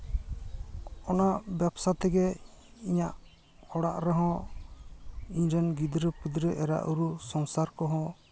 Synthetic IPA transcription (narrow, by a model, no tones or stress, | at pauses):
ɔnaʔbɛpsat̪ɛɡɛ | iɲaʔ | hɔɽaʔɾɛɦɔ̃ | iɲɾɛnɡid̪ɾəpid̪ɾəʔɛɾa̰ʔuɾusɔŋsaɾkɔɦɔ̃